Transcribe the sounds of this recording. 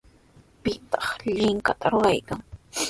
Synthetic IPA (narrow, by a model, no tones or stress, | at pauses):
pɪt̪ɑχʎɪŋkat̪ʰaɾʊɾajkaŋ